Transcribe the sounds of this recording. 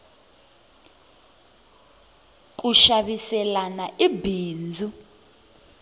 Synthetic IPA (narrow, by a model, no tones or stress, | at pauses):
k̬ʼuʃaɓisɛlanaʔibiːnd͡zʱu